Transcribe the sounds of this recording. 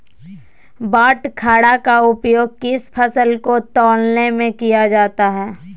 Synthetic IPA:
baːʈkʰaːɽakaʊpjoːɡ̚kɪspʰəsəlkot̪ɔːlnemẽkijad͡ʒaːt̪aɦɛː

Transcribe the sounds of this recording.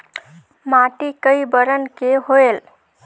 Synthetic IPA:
maʈikəjbəɾənkeɦoel

